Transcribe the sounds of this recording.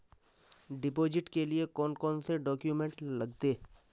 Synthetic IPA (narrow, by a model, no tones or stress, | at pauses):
ɖɪpoːd͡ʒɪʈkeliekɔːnkɔːnseɖɔːkjumẽɳʈlɐɡt̪eː